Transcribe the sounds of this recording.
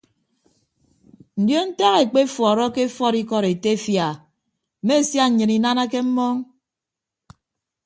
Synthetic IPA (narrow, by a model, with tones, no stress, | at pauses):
n̩˨djo˦n̩˦ta˦ɣe˨k͡pe˦fɔ˨ɾɔ˦ke˦fɔ˦ɾi˦kɔ˦ɾe˨te˦fja˨ | m̩˨me˦˨sja˦ɲ̩˨ɲɨ˨ni˨na˦na˦ke˦m̩˦mɔ˦ŋ